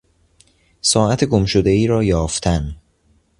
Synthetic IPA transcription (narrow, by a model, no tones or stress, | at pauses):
sɒːʔæt̪ʰeɡomʃod̪e̞iːɾɒːjɒːft̪ʰæn